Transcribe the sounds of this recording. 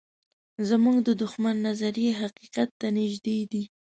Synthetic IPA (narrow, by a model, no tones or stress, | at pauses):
zəmuŋɡd̪əd̪ʊxmanːazaɾijeɦaqiqat̪ːanɪʒd̪ed̪i